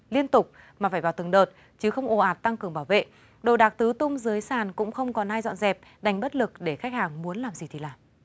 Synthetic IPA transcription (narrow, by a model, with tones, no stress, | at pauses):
li˧ənt̪ʊ˨˩k͡p̚ | maː˨˩faː˧˩vaː˨˩wt̪ɨ˨˩əŋɗəː˨˩t̚ | t͡ɕɨ˨˦xə˧wŋ͡mʔo˨˩ʔaː˨˩t̚t̪a˧ŋkɨ˨˩əŋɓaː˧˩wvḛ˧˨ | ɗo˨˩ɗaː˨˩k̚t̪ɨ˨˦t̪ʊ˧ŋ͡mzɨ˨˦əjsaː˧˩nkʊ̰˧˥ŋ͡mxə˧wŋ͡mkɔ˨˦naː˧jzɔ̰˧˨nzɛ˨˩p̚ɗa˨˩ŋ̟ɓə˦˥t̚lɨ˨˩k̚ɗe˧˩xa˦˥k̟̚haː˨˩ŋmu˨˦ənlaː˨˩mzi˨˩t̪ʰi˨˩laː˨˩m